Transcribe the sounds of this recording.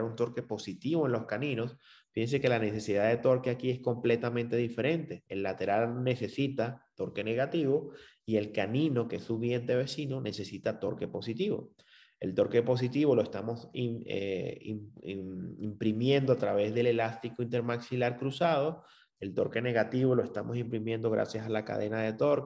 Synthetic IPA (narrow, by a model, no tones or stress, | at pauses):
ɾunt̪o̞ɾke̞po̞sit̪iβo̞enlo̞skanĩno̞s | fihens̬e̞ke̞lane̞se̞siðaðe̞t̪o̞ɾkeakie̞sko̞mple̞t̪amẽnt̪e̞ðife̞ɾẽ̞nt̪e̞elːat̪e̞ɾalne̞se̞sit̪at̪o̞ɾke̞ne̞ɣat̪iβo̞ | ie̞lkanĩno̞keesuβje̞nt̪e̞βe̞sinone̞se̞sit̪at̪o̞ɾke̞po̞sit̪iβo̞̰ | e̞̰lt̪o̞ɾke̞po̞s̬it̪iβo̞loe̞st̪amo̞sḛ | impɾimjẽ̞nd̪oat̪ɾaβ̞e̞zðe̞le̞last̪ikoint̪̬e̞ɾmaksilaɾkɾusað̞o̞ | e̞lt̪oɾke̞ne̞ɣat̪iβo̞lo̞e̞st̪amo̞simpɾimjẽ̞nd̪o̞ɣ̞ɾa̰sjasalaka̰ðe̞nað̞e̞t̪o̞ɾk